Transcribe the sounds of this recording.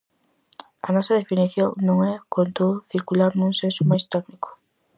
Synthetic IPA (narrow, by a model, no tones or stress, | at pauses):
ɐnɔsɐð̞efiniθjoŋnõŋɛkont̪oðʊθiɾkulaɾnuŋsensʊmajst̪ɛknikʊ̥